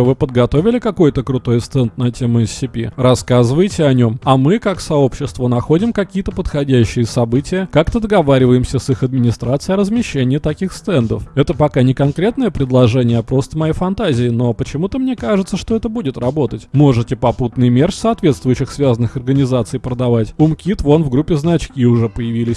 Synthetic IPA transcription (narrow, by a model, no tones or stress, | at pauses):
vɨpəd̪̚ɡɐt̪o̞vʲɪlʲɪkɐko̞jt̪əkɾʊt̪o̞jst̪ɛnt̪nɐtʲe̞mʊɪsːʲɪpʲḭrɐskazɨvəjtʲɪɐnʲo̞mɐmɨkaksɐo̞pɕːɪst̪vənɐxo̞dʲɪmkɐkʲijət̪əpət̪xɐdʲæɕːɪjəsɐbɨtʲɪjəkakt̪əd̪əɡɐvaɾʲɪvəjɪmsʲəsɨxɐd̪̚mʲɪnʲɪst̪ɾat̪sɨɪjɐɾəzmʲɪɕːenʲɪjət̪ɐkʲixst̪ɛnd̪ə̰fɛt̪əpɐkanʲɪkɐnkɾʲe̞t̪nəjəpɾʲɪd̪lˠɐʐɛnʲɪjəɐpɾo̞st̪əmɐjefɐnt̪azʲɪɪno̞pət͡ɕɪmut̪əmnʲekaʐɨt̪səʂt̪o̞ɛt̪əbudʲɪt̪rɐbo̞t̪ətʲmo̞ʐɨtʲɪpɐput̪nɨjmʲerʲsɐɐt̪vʲet̪st̪vʊjʏɕːɪxsvʲazənːɨxɐrɡənʲɪzat̪sɨjpɾəd̪ɐvatʲʊmkʲit̪vo̞nvɡɾupʲːɪznɐt͡ɕkʲiʊʐɛpəjɪvʲilʲɪsʲ